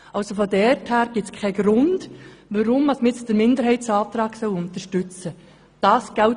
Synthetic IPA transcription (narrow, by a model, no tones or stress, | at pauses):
ɑlsofɔdɛrthæːɾɡ̥ɪtt͡skʰɛɪɡɾʊnd̥ʋəɾʊmɑsmt͡sd̥əɾmɪnd̪əɾɦɛɪtsɑːt̪ɾɑːɡ̥sœwʊnt̪əʃtʉt͡sə | d̥ɑːsɡ̥æw